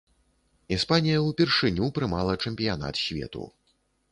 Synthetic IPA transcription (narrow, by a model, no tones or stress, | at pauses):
ispanʲijɐwpʲɛrʂɨnʲupɾɨmalˠɐt͡ʂɛmʲpʲijan̪a̰t̪sʲvʲɛ̰t̪ṵ